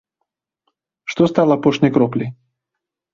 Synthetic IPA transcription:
ʂt̪ɔst̪alˠɐapɔʂnʲɐjkɾɔplʲɪj

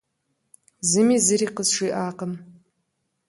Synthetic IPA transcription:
zɨmizɨɾiqəzʂiʔaːqəm

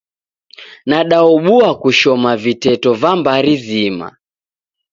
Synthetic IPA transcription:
naɗaɔɓuakuʃɔmavitɛtɔvambaɾizima̰

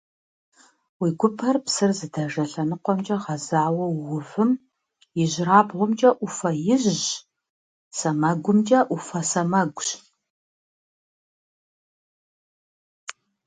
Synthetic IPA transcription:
wiːɡʷʊpʰɐrpsɨrzɨdɐʒɐɬɐnɨqʷɔmt͡ʃʼɐʁɐzaːwɐwːʊvɨm | jɪʑɾaːbʁʷʊmt͡ʃʼɐʔʷʊfɐjɪʑʒ | sɐmɐɡʷʊmt͡ʃʼɐʔufɐsɐmɐɡʷʊɕ

